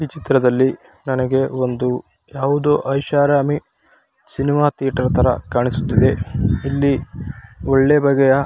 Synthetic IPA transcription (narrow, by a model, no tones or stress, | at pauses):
iːt͡ʃit̪ɾɐd̪ɐlːi | nɐnɐɡe̞o̞nd̪u | jaːʋud̪oːʔɐjʃaːɾaːmi | sinimaːt̪ijɐʈɐɾɐt̪ʰɐɾɐ̰kaːɳisu̥t̪ːid̪e̞ilːi | ɔɭːebɐɡɛjɐ